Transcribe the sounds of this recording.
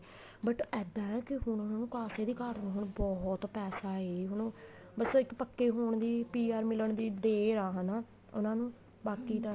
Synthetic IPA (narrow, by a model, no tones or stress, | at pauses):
bəʈɛːd̪aːɛːkɪɦʊɳʊnãːnũːkaːseːd̪iːkaːɾnːɦʊɳbɔːɦt̪pɛːsaːeːɦʊɳ | bəsɪkpəkːeːɦoːɳd̪iːpiːaːɾmɪləɳd̪iːd̪eːɾaːɦənaː | ʊ̰nãːnũː | baːkiːt̪ãː